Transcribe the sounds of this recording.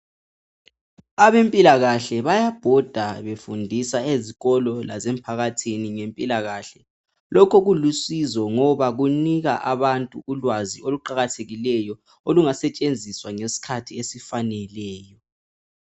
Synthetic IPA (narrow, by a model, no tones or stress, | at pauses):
aβempʼilaɣaɬɛβajab̥ʱɔd̥ʱaβefundʱisaeziɣɔlɔla̰zempʰaɣatʰiniŋempʼilaɣaɬɛ | lɔkʰɔɣulusizɔŋɔβaɣuniɣaʔaβantʼuulwazioluǃaɣatʰeɣilɛjɔ | oluŋasɛt͡ʃʼend͡zʱiswaŋesi̥kʰatʰiesifanɛlɛːjɔ